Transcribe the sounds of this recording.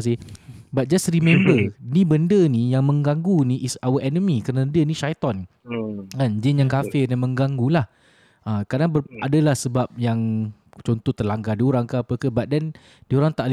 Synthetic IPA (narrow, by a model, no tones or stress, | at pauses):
s̬ibat̪̚d͡ʒasrimɛ̃mbənibəndənijaŋmə̃ŋɡaŋɡuniʔisawəʔɛnəmikəɾənadəniʃajt̪ɔn | kand͡ʒɪnjaŋkafɪdɛnmə̃ŋɡaŋɡulah | ʔakanabəadalahsəbap̚jaŋt͡ʃɔnt̪ɔht̪ərlaŋɡadioɾaŋkəapəkəbat̪̚dɛn | dioɾaŋt̪aʔl